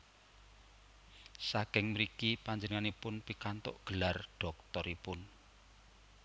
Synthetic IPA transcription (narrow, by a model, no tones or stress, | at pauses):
sakɪŋməɾikipaɲd͡ʒənəŋanipʊnpikant̪o̰ʔɡ̥ə̤larɖ̥ɔ̤k̚t̪ɔɾipʊn